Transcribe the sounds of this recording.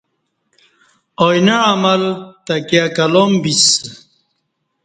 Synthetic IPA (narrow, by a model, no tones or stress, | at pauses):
ojnaamɐlt̪akjakalombis